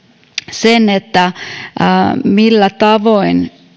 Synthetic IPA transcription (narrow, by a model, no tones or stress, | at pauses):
senet̪ːæ | milːæt̪ɑʋoin